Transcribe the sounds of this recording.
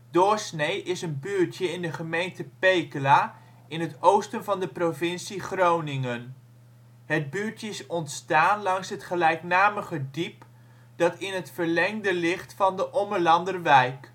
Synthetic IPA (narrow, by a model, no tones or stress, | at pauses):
d̥ɔɹsnejɪsənbyːɹtjəɪndəχəmejntəpejkəlaː | ɪnɦətowstənvɑndəprovɪnsiχrownɪŋən | ɦəd̚byːɹtjəɪsɔntstaːnlɑŋsɦətχəlɛjknaːməχədip | d̥ɑtɪnɦətfəɹlɛŋdəlɪχtfɑndəʔɔməɹlɑndərʋɛjk